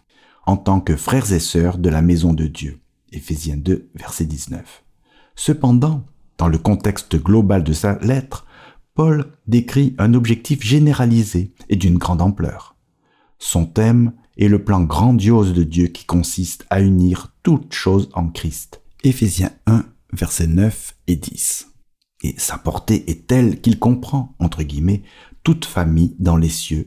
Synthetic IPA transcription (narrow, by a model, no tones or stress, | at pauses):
ɑ̃t̪ɑ̃kəfχɛʁzesœʁd̪əlamezɔ̃d̪əd̪jø | efezjɛ̃d̪øvɛʁsɛd̪iznœf | səpɑ̃d̪ɑ̃ | d̪̥ɑ̃ləkɔ̃t̪ɛkst̪əɡlɔbald̪əsalɛt̪χ | pɔld̪ekχiɛ̃nɔbʒɛk̚t̪ifʒeneʁalizeːd̪ynɡʁɑ̃d̪ɑ̃plœ̰ːʁ | sɔ̃t̪ɛm | ɛləplɑ̃ɡʁɑ̃d̪jozd̪əd̪jøkʲi̥kɔ̃sist̪ʰayniʁt̪ut̪ʃozɑ̃kχist̪efezjɛ̃ɛ̃ | vɛʁsɛnœfed̪ḭs | ḛsapɔʁt̪eʔɛt̪ɛlkilkɔ̃pχɑ̃ɑ̃t̪χəɡʲimɛ | t̪ut̪famijd̪ɑ̃lesjø